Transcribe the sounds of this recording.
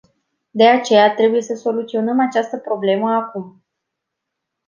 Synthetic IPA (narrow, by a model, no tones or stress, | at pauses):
d̪e̞at͡ʃe̞jat̪ɾe̞buje̞səso̞lut̪sio̞nəmat͡ʃast̪əpɾo̞ble̞məakum